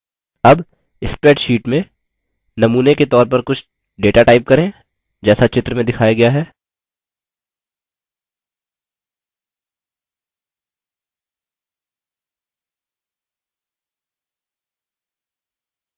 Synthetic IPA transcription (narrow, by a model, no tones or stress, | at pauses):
ɐb | ɪspɾɛːʈʃiːʈmẽ | nɐmuːneket̪ɔːɾp̬ɐɾkʊt͡ʃʰ | ɖeːʈaʈaːɪp̚kɐɾẽ | d͡ʒɛːsat͡ʃɪt̪ɾəmẽd̪ɪkʰaːjaɡɐjaɦɛː